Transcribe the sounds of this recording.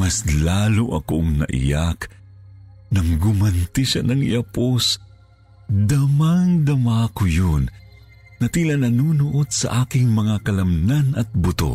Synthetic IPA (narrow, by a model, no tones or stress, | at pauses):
mɐslaːloʔɐ̰ko̰ʔɐŋnɐ̰ʔɪ̰jak | nɐŋɡʊmɐnt̪ɪʃanɐŋɪ̰ʔɐpos | d̪ɐmaŋd̪ɐmakojon | nɐt̪iːlɐnɐnuːnʊʔod̪̚sɐ̰ʔaːkɪŋmɐŋakɐlɐmnanɐt̪̚bʊt̪o̰